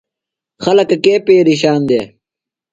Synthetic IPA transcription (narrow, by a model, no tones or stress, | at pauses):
xɐlɐkɐkeːpeːɾiɕaːnd̪eː